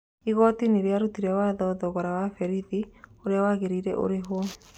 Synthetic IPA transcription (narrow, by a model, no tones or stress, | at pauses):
iɣɔtineɾeaɾutiɾɛwaðɔðɔɣɔɾawafɛɾiðioɾeawaɣeɾiɾɛ̰ʔo̰ɾeɦo